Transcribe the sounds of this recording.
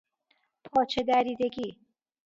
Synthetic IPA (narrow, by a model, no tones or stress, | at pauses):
pʰɒːt͡ʃʰed̪æɾiːd̪eɡiː